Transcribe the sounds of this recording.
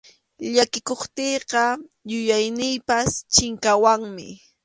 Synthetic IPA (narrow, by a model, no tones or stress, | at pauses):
ʎakɪkoχt̪ejqɑjʊjajnɪjpast͡ʃɪŋkawaŋmɪ̰